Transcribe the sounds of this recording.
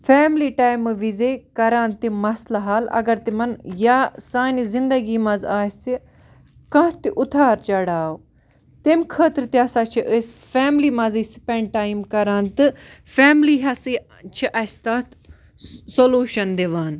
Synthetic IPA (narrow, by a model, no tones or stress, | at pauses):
fʰɛːmliːʈaːjmʋizeːkɐɾãːnt̪imɐslaɦaːlɐ̰ɡɐɾt̪imɐnjaːsaːnizind̪ɐɡiːmɐzaːsi | kɐ̃t̪iʔʊt̪ʰaːɾt͡ʃɐɽaːo | t̪emkʰəːt̪ɾt̪iɐsaːt͡ʃʰiʔəsfɛːmliːmɐ̃ziːspẽɳɖʈaːimkɐɾãːnt̪ɨfʰɛːmliɦɐsi | t͡ʃʰiʔɐst̪ɐːt̪ | soluːʃɐnd̪eʋaːn